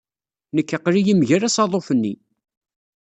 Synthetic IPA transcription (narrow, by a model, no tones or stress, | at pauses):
nəkːəqːɾijimʝæɾæsɑðˤofənːḭ